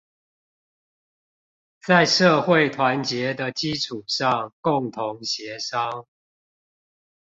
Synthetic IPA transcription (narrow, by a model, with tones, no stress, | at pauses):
t͡sa˥˨ɪʂɤ˥˧xwe˥˨ɪt̪ʰwa˨˦nt͡ɕjɛ˨˦d̪ə˨t͡ɕi˦ʈ͡ʂʰu˨˩ʂɑ˥˨ŋkʊ˥˨ŋt̪ʰʊ˨˦ŋɕjɛ˨˦ʂɑ˦ŋ